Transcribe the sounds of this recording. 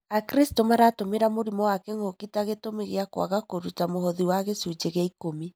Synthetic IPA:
akɾistomaɾaːtomeɾamoɾimɔwakɛŋɡokitaɣetomeɣeakwa̰ɣakoɾutamohɔðiwaɣesud͡ʒeɣaikomi

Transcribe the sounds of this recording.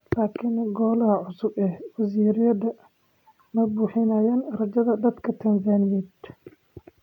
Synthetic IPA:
laːkʰinɡɔːlɐɦɐʕʊsʊbɛhwɐsiːɾjɐðɐ | mɐbuːħɪnajaːnrɐd͡ʒɐðɐd̪ɐd̪kʰɐt̪ʰɐnsanɪjɛːd̪

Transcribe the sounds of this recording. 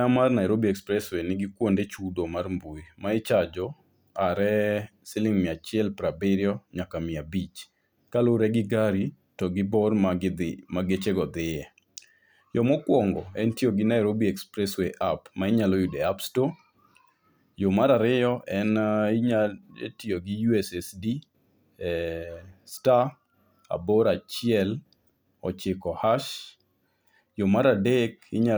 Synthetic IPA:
amarnaɛɾobiɛkspɾɛswenɪɡɪkwondet͡ʃud̪omarmbuimaɪt͡ʃad͡ʒɔ | aɾɛ | sɪlɪŋmɪat͡ʃɪɛlpɾabɪɾjɔɲakamɪabit͡ʃ | kaloɾɛɡɪɡaɾi | tɔɡɪbɔrmamaɡet͡ʃeɡɔd̪ɪjɛ | jɔmɔkwɔŋɡɔɛntioɡɪnaɛɾobiɛkspɾɛsweʔapmaɪɲalɔjudɛapstɔ | jomaɾaɾɪɔʔɛnɪɲaḛtjoɡɪjuɛsɛsdi | sta | a̰bɔɾat͡ʃɪɛl | ɔ̰t͡ʃɪkɔhaʃ | jomaɾadɛkɪ̰ɲa

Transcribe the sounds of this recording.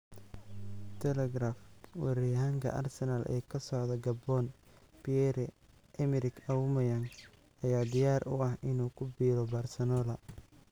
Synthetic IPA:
t̪ʰɛlɛɡɾaːfwɛɾijɦaːŋkʰɐ̰ʔɐ̰rsɛnalʔɛ̰ːkʰɐsɔʕðɐɡɐbɔːn | piɛɾɛ | ʔɛmɪɾɪkʰɐwmɐjɐŋ | ɐjaːd̪ɪjaːɾʔʊ̰ɐhʔɪnuːkʰʊbiːɾɔbaːrsɐnɔːlɐ

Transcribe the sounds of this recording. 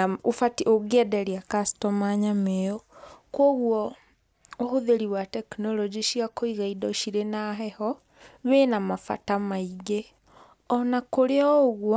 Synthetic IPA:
ofatioɣɛdɛɾiakastɔmaɲameɔkwoɣwɔ | ohoðeɾiwatɛknɔlɔd͡ʒiʃiakoiɣaidɔʃiɾenaɦɛhɔ | βenamafa̰tamaiɣe | ɔnakoɾeɔoɣwɔ

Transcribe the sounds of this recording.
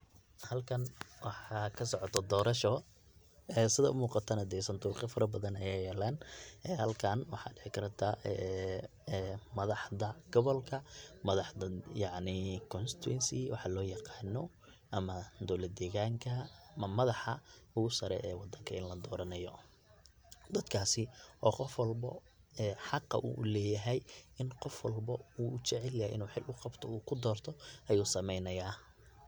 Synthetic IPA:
hɐlkʰɐnwɑħɑkʰɐsɔʕɔt̪ʰɔd̪ɔːɾɐʃɔ | ɛːsɪðɐʔʊmuːqɑt̪ʰaːnɐd̪ɛjsɐnt̪ʰuːqɪfɐɾʔɐbɐðɐnɐjaːjɛːlaːnʔɛːhɐlkʰanwɑħɑ̰ːɖɪʕɪkʰɐɾt̪ʰaɛ | mɐðɑħðɐɡ̥ɔβɔlkʰɐmɐðɑħɐjɑʕnɪkʰɔnst̪ʰʊwɛ̰nsɪwɑħɑlɔːjɑqɑːnɔ | ʔɐmɐd̪ɔlɐd̪̚d̪ɛːɣaːŋkʰɐɐmɐðɑħɐʊɣʊsɐɾɛ̰ʔɛːwɑd̪ɐŋkʰɐɪnlɐd̪ɔːɾɐnɐjɔ | d̪ɐd̪kʰaːsɪʔɔːqɔfwɐlbɐ̰ | ɛːħɑqːɑ̰ʔṵːʔʊlɛːjɐɦɛjʔɪnqɔfwɐlbɐuːʔʊt͡ʃɛʕɛljɛ̰ʔɪ̰nuːħɪlʊqɑbt̪ʰɔuːkʰʊd̪ɔːrt̪ʰɔʔɐjuːsɐmɛjnɐjaː

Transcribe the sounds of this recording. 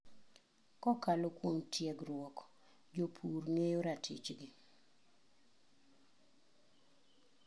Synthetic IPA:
kɔkalokwoŋtʰjɛɡrwɔk | d͡ʒopʰurŋejoɾatʰɪ̰t͡ʃɡɪ

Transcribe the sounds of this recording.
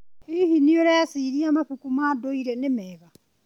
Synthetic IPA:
ihinioɾɛasiːɾiamaɸukumaːdoiɾɛnemɛːβa

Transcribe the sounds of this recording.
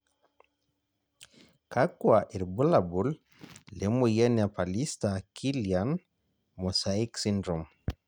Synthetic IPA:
kakːwaʔiɾbulabulː | ɛmujanapalistakʰilian | mɔsaiksindɾɔm

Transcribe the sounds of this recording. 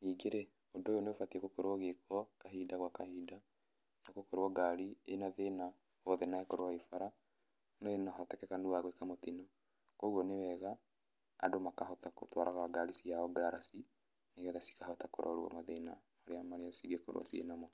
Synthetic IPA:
niːɡeɾɛ | odojoneofatiekokoɾwɔɣekɔkaɦidaɣwakahiːda | nakokoɾoɔɡaɾienaðeːna | wɔðɛnaekoɾowaifaɾa | noenaɦatɛkɛkanuwaɣwekamotinɔ | koɣɔnewɛɣaː | domakahɔtako̰twaɾʔaɣwaɡalisiaɔɡaɾasi | neɣɛɣasi̥kahɔtakoɾʔa̰oɾwa̰maðeːna | aɾeamaɾeasiɡeko̰ɾo̰a̰siḛnamɔ

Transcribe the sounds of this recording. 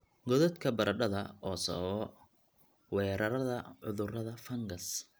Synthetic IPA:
ɡɔðɐt̪kʰɐbɐɾʔɐɖɐðɐʔɔːsɔ̰ɔ | wɛːɾɐɾɐðɐʕʊðʊrɐðɐfɐŋɡɐs

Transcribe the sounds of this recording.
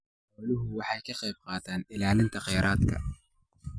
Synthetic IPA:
ɔːlʊɦʊwɑħɑjkʰɐqɑjb̚qɑːt̪ʰaːnɪlaːlɪnt̪ʰɐqɑjɾʔaːd̪kʰɐ̰

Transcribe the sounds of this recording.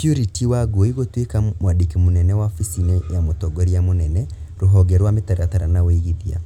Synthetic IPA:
pjuɾitiwaɡoiɣotwekamwadikemonɛnɛwaɔfisinejamotɔɡɔɾiamonɛnɛ | ɾoɦɔɡɛɾwametaɾataɾanawoiɣiðia̰

